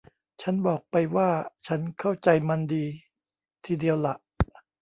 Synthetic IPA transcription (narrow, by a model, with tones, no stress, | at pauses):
t͡ɕʰa˦˥nbɔː˨˩k̚pa˧jwaː˥˩t͡ɕʰa˦˥nkʰa˥˩wt͡ɕa˧jma˧ndiː˧ | t̪ʰiː˧di˧əwla˨˩ʔ